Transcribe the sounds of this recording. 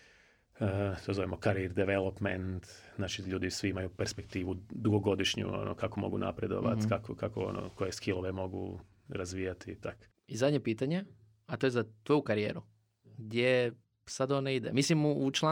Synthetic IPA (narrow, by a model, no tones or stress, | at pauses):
ət̪ozoʋimokaɾiɾd̪eʋelˠopment̪nat͡ʃiʎuːd̪isʋiimajupeɾspe̞k̚t̪iːʋud̪uɡoɡo̞d̪iʃɲṵo̰no̰kakomo̞ɡuna̰pɾed̪o̞̰ʋa̰t̪kakokakoo̰no̰ko̞jeskilˠoʋe̞mo̞ɡṵ | ɾazʋiːjat̪it̪ak | izad̪ɲepiːt̪aɲe̞ | at̪ojezat̪ojukaɾije̞ːɾu | ɡd̪je | sad̪oneid̪emislimuut͡ʃlˠa